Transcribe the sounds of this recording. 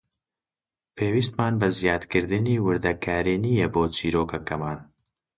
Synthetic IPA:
pʰeːwist̪maːnbɐzijaːt̪kɨɾd̪ɨniːwɨɾd̪ɐkʰaːɾiːnijeboːt͡ʃiːɾoːkʰɐkɐmaːn

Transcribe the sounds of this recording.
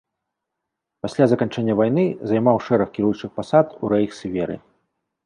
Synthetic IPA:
pasʲlʲazɐkanʲt͡ʂɛnʲːɐvajnɨzajmawʂɛɾɐxkʲiɾujut͡ʂɨxpasat̪uɾɛjxsʲvʲɛɾɨ̰

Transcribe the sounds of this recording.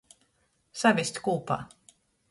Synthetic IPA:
savʲisʲt̪ʲkuːpa̰ː

